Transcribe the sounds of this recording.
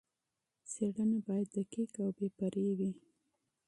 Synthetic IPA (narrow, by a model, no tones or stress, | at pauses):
seɽənabɑjad̪ːəkekawbepaɾewi